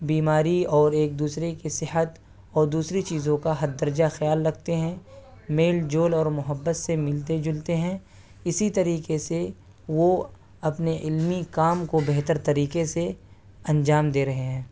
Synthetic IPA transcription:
biːmaːɾiɔːɾeːk̚d̪uːsɾekesɪɦət̪ | ɔːɾd̪uːsɾit͡ʃiːzõkaɦɐt̪̚d̪əɾd͡ʒaxjaːlːɐɡ̚t̪eɦɛ̃ː | meːld͡ʒoːlɔːɾmʊɦəbːət̪semɪlt̪ed͡ʒʊlt̪eɦɛ̃ | ɪsit̪ɐɾiːkese | ʋo | ɐpneʔɪlmikaːmkobeɦt̪əɾt̪ɐɾiːkese | ɐ̃nd͡ʒaːmd̪eːɾɐɦeɦɛ̃ː

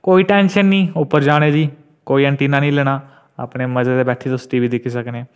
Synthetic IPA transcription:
koːiːʈɛ̃ːnʃənːĩːʊpːəɾd͡ʒaːɽ̃eːd͡ʒiː | koːiːə̃ɳʈiːnaːnĩːlɛːɽ̃aː | a̰pɽeːməd͡ʒaːd̪eːbɛːʈʰeːt̪ʊst̪iːbiːd̪ɪkʰiːsəknɛː

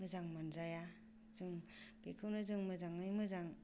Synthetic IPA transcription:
mɯzaŋmanzaja | zɯŋpekʰɯwnɯzɯŋmɯzaŋɯjmɯzaŋ

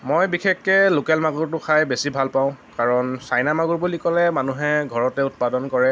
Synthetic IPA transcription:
mojbikʰekːɛlokɛlmaɡuɹtʊxʰajbesibʱalpaʊ̃kaɹɔnsajnamaɡuɹbulikɔlɛmanuɦɛɡʱɔɹɔtɛʊt̚padɔnkɔɹɛ

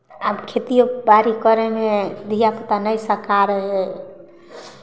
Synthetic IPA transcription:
abkʰet̪ijobaɾikəɾemẽd̪ʱijapət̪anəjsəkaɾəɦɛ

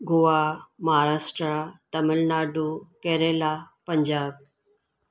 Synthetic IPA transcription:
ɡuʋamɐɦaɾaːsʈɾat̪əməlnaːɖukeɾelapəɲd͡ʑaːb̚

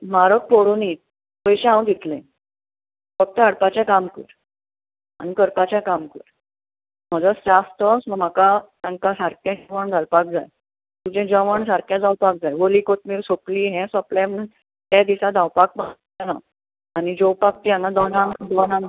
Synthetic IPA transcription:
maɾək̚poɽuni | bəjɕẽɦãw̃d̪it̪lẽ | fək̚t̪əaɽpat͡ɕjakamkəɾ | a̰ñikəɾpat͡ɕjakamkəɾ | m̤əd͡zəd͡zast̪əsməm̤akasãŋkasaɾkjãʋəɳd͡zʱalpak̚d͡zaj | t̪ud͡ʑẽd͡ʑəʋəɳsaɾkjad͡zawpak̚d͡zajʋolikot̪miːɾsokliːɦɛ̃sɔplamən | t̪jad̪isad͡zawpak̚ba | ana | añid͡ʑowpak̚t̪ijanad̪ɔnãŋd̪ɔnãŋ

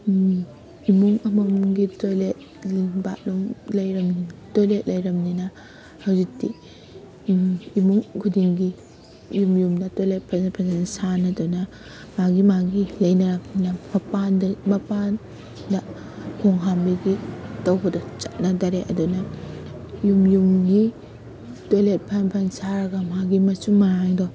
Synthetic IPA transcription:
imuŋɐmɐmɡitojlet̚ | lba̰ʔlumlɐjɾɐmnitojlet̚lɐjɾɐmninɐ | hɐwzik̚ti | imuŋkʰudiŋɡi | jumjumdɐtojlet̚pʰapʰazanɐsanɐdunɐ | maɡimaɡilɐjnɐɾak̚ninɐmɐpandɐmɐpan | dɐ | hʰoŋɦambiɡitɐwbɐdɐt͡ʃat̚nɐdaɾeʔɐ̰dunɐ | jumjumɡi | tolet̚pʰanpʰɐnsaɾɐɡɐmaɡimɐsuŋmaɾaŋdɔ

